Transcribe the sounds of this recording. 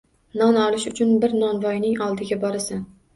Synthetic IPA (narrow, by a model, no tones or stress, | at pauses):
nɒnɒlˠɪʃʊt͡ʃʰʊnbɪɾnɒnvɒjnɪŋɒlˠd̪ɪɡʲabɒɾɪsan